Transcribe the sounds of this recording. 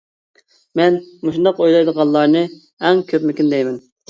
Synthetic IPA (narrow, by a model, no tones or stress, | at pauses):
mɛnmoʃund̪ɑqojlˠɑjd̪əʁɑnˠlˠɑɾnɨ | ɛŋkʲʰøpmykʲynd̪ɛjmɛn